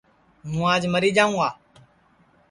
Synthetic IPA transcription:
mũːaːd͡ʒməɾiːd͡ʒaːũːaː

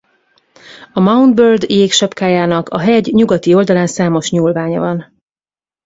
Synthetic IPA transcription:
ɒmɒwnd̪børd̪jeːkʃɒpkaːjaːnɒkɒɦɛɟɲuɡɒt̪io̞ld̪ɒlaːnsaːmo̞ʃɲuːlvaːɲɒ̰vɒn

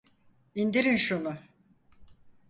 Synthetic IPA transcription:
ind̪iɾinʃunʊ

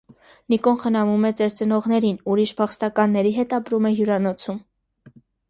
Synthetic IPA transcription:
nikɔnχənɑmumɛt͡sɛɾt͡sənɔʁnɛɾinuɾiʃpʰɑχst̪ɑkɑnːɛɾiɦɛt̪ɑpɾumɛɦjuɾɑnɔt͡sʰum

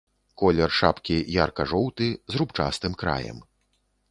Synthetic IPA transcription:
kɔlʲɛrʂapkʲijarkɐʐɔwt̪ɨzrupt͡ʂa̰st̪ɨmkɾa̰jɛ̰m

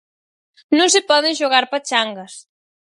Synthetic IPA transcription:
nõŋs̬ɪpɔðɪ̃nʃoɣaɾpat͡ʃaŋɡɐs

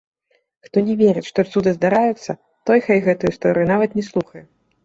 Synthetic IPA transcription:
xt̪ɔnʲɛvʲeɾɨtʲʂt̪ɔt̪sʲud̪ɨzd̪aɾajut̪sːɐ | t̪ɔjxajɣɛt̪ujust̪ɔɾɨjunavɐt̪nʲɛslˠuxɐjɛ

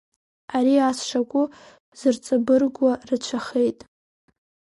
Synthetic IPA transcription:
aɾiasʂakʷʼʊ | z̥ɨrt͡sʼabɨrɡʷarɨt͡ʃʷʰaχe̞jtʼ

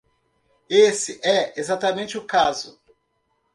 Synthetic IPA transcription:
esɪʔɛezat̪ɐmẽnt͡ʃɪʊkazʊ

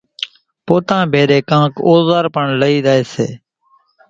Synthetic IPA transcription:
poːt̪ãːbʱeːɾeːkãːkoːzaːɾpəɳləiːd̪aːeːsḛː

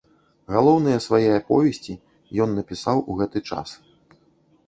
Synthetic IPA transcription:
ɣalˠɔwn̪ɨjɐsvajɛjɐpɔ̰vʲɛsʲt͡sʲi | jɔnːɐpʲisawʔuɣɛt̪ɨt͡ʂa̰s

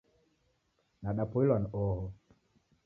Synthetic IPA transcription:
naɗapuilanɔɦɔ

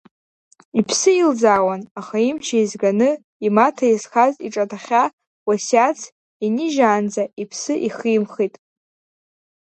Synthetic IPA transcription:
ipʰsɨild͡zaːwanaχaimt͡ʃʰaizɡanɨ | imatʰajisχazʼiʈ͡ʂʼatʰaχʲa | wasat͡sʰ | iniʒaːnd͡zaipʰsɨʔiχijmχitʼ

